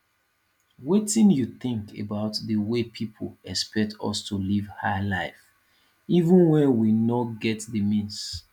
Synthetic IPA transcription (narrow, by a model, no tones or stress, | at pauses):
wetĩnjuθɪ̃ŋkʰḛbaʊtðəwepʰipʰolɛspɛk̚tʰɔ̰stʰulivhalaɪf | ivə̃nwɛ̃nwinɔtɡɛtðəmĩns